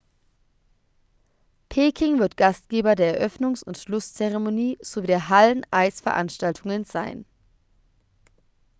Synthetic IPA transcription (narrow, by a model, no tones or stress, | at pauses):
pʰeːkʰɪŋvɪɐtɡ̥astɡ̥eːbɐdeːɐɛɐʔœfnʊŋsʊntʃlʊst͡sɛʁemoniːz̥oviːdeːɐɦalənʔaɪsfɛɐʔa̰nʃtaltʰʊŋənzaɪn